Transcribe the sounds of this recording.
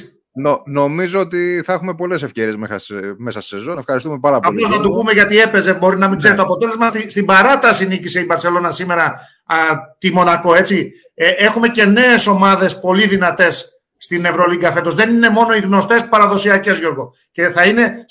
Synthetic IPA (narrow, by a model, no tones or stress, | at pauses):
nono̞mizoot̪iθɐexume̞po̞le̞sefceɾiezmeɐmesɐst̪i̥sezoefxɐɾist̪ume̞pɐɾɐpɐoznɐt̪upume̞ʝɐt̪ie̞pe̞zebo̞ɾinɐmiɡze̞ɾit̪o̞ɐpo̞t̪ele̞zmɐsist̪ibɐɾɐt̪ɐsiniciseibɐɾse̞lo̞nɐsime̞ɾɐ | t̪imo̞nɐko̞e̞t͡si | ʔe̞xume̞ce̞ne̞ːso̞mɐðe̞spo̞liðinɐt̪e̞sː | t̪ine̞vɾo̞liŋɡɐfe̞nd̪o̞zðe̞nine̞mo̞no̞iɣno̞st̪e̞spɐɾɐðo̞siɐce̞zʝo̞ɾɣo̞ | ce̞θɐine̞